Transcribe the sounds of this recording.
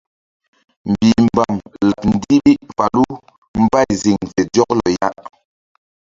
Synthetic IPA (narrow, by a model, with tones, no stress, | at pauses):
m̩˨bi˨m̩˨ba˨mla˨p̚n̩˦di˦bi˦ʔfa˨lu˦ | m̩˦ba˦˨jzi˨ŋvɛ˨dɔ˦k̚lɔ̰˨ja˦ʔ